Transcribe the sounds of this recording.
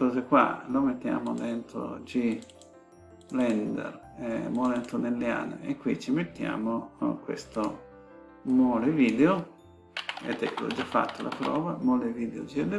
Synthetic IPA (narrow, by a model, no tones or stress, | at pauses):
kɔzekwa̰lomet̪ːja̰ːmod̪ɛnt̪ɾo̰d͡ʒi | lɛnd̪ɛ̰ɾ | emoːlent̪onelːja̰ːnḛekːwit͡ʃimet̪ːja̰ːmokwḛst̪o | moleviːd̪eo | ḛd̪ɛkːelo̰d͡ʒːafːa̰t̪ːolʔapɾɔːvamoleviːd̪eod͡ʒiɛd̪e